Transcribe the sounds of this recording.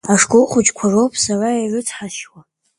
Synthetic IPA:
aʂkʷʼoqʷʊt͡ʃʼkʷʰarowpʰʼsarairʊt͡sʰħaʃwa

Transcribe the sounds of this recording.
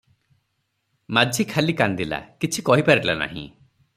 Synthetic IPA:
mad͡ʒʱikʰalikand̪ila̰kit͡ʃʰikɔɦipaɾilana̰ɦḭ̃

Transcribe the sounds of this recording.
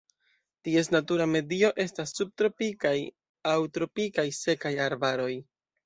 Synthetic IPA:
tie̞s̬natuɾame̞dio̞ʔe̞stasːub̚tɾo̞pikaj | awtɾo̞pikajse̞kajaɾbaɾo̞j

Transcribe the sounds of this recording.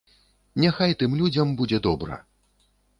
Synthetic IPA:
nʲaxajt̪ɨmlʲud͡zʲɐmbud͡zʲɛd̪ɔbɾɐ̰

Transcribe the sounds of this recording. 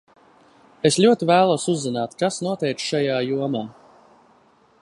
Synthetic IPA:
esʎʲuɔt̪ivæːlˠuɔsuzːinaːt̪kasnuɔt̪ɛjk̪ʃajaːjuɔmaː

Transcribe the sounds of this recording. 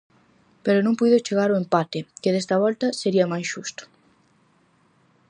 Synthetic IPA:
peɾonõŋpujðot͡ʃeɣaɾoempat̪ɪkɪðest̪ɐβ̞ɔlt̪ɐseɾiɐmajsʃust̪o̥

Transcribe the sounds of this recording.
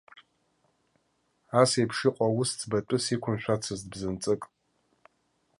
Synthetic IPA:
asejpʰʂɪqʷʼawʊst͡sʰʼbatʼɨsikʷʰʊnʃʷᶣat͡sʰɨzdbzɨnt͡sʼɨkʼ

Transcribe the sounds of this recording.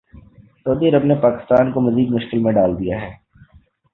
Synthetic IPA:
sɐud̪iɐɾəbnepaːkɪ̥st̪aːnkomɐziːd̪mʊʃkɪlmẽɖaːld̪ijaɦɛː

